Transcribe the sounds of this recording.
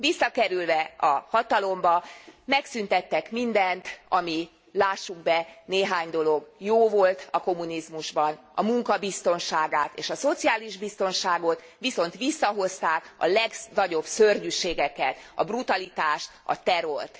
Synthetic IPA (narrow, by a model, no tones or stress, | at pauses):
visːɒkɛɾylvɛɒhɒt̪ɒlo̞mbɒmɛksynt̪ɛt̪ːɛkmind̪ɛnt̪ɒmi | laːʃːuɡbɛneːɦaːɲd̪o̞lo̞ɡjoːvo̞lt̪ɒko̞munizmuʒbɒn | ɒmuŋkɒbist̪o̞nʃaːɡaːt̪ḛːʃɒso̞t̪sijaːliʒbist̪o̞nʃaːɡo̞t̪ | ʋiso̞nt̪ʋisːɒɦo̞st̪aːkɒ̰lɛɡnɒɟo̞bsørɟyʃeːɡɛkɛt̪ɒ̰brut̪ɒlit̪aːʃt̪ɒ̰t̪ɛɾo̞rt̪